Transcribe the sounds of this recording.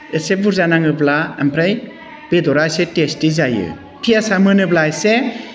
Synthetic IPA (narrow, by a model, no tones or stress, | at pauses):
esebuɾzanaŋɯblaampʰɾaj | b̥edɔɾasetestizajɯ̰ | pʰiasamɯnɯblajse